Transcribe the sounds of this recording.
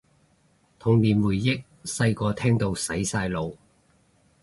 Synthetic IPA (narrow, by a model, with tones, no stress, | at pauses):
t̪ʰʊ˨˩ŋliː˨nwuː˨˩jːɪ˥k̚ | sɐ˧jkɔː˧t̪ʰɛː˥ŋt̪o˧wsɐ˨˥jsaː˧jlo˨˧w